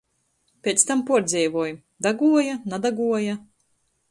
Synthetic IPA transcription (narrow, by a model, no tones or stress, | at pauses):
pʲeːt̪st̪ampuɔɾd̪zʲɛjvuɔju | d̪aɡuɔjanad̪aɡuɔja